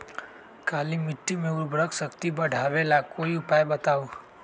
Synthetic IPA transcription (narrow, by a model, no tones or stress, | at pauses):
kaːlimɪʈːimẽʊɾbɾəksəkt̪ibɐɖʱaːʋelakoiʊpaːjbɐt̪aːo